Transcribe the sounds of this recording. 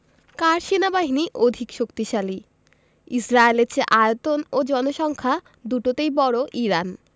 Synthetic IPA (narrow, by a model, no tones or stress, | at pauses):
kaɾʃenabaɦiniʔod̪ʱikʃokt̪iʃali | isɾaelet͡ɕʰeʔajot̪onod͡ʑɔnoʃɔŋkʰa | d̪uʈot̪ejbɔɾoʔiɾan